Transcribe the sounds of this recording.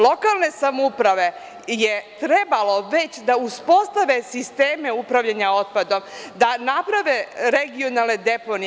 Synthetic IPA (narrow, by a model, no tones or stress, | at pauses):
lo̞kalˠne̞samoupɾaʋe̞ | je̞t̪ɾe̞balo̞ʋet͡ɕd̪auspo̞st̪aʋe̞sist̪eːmeupɾaʋʎaɲao̞t̪̚pad̪omd̪anapɾaʋeɾeɡio̞nalˠne̞d̪e̞pon